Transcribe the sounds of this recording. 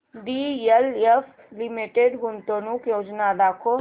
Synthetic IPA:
ɖielef | limiʈeɖɡʊnt̪onukjoːd͡ʒnad̪aːkʰo

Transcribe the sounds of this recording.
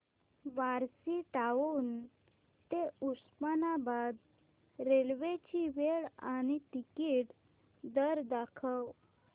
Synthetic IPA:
ʋaɾsiʈaʋuːn | t̪euspanabad̪ | ɾelʋet͡ɕiʋeɭañit̪ikiʈ | d̪əɾd̪akʰəw

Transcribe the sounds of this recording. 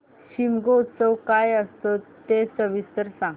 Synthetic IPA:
ɕimɡout̪səwkajəst̪ot̪ːesəʋist̪əɾsãŋ

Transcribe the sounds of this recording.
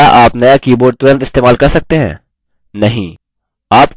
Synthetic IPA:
aʔaːpnɐjakiːboːɖ̚t̪ʊɾə̃nt̪ɪst̪eːmaːlkɐɾsɐk̚t̪eɦɛ̰̃ː | nɐɦĩ | aːp

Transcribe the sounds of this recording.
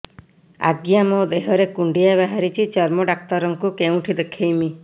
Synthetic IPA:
a̰ɡjamod̪eɦɔɾekuɳɖijaβaɦaɾit͡ʃʰit͡ʃɔɾmɔɖak̚t̪ɔɾɔŋkukeũʈʰid̪ekʰejmi

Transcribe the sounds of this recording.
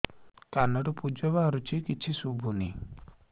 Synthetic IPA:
kanɔʈɔpud͡ʒɔβaɦɔɾut͡ʃʰikit͡ʃʰisubʱuni

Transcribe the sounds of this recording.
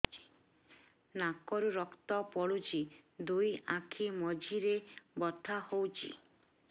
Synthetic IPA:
i̥ | nakɔɾuɾɔkt̪ɔpɔɽut͡ʃʰid̪ujãkʰimɔd͡ʒiɾebɔt̪ʰahowt͡ʃʰḭ

